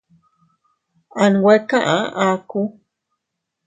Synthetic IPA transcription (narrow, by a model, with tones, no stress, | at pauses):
a˨nwe˦ka˦ʔã̰ʔaku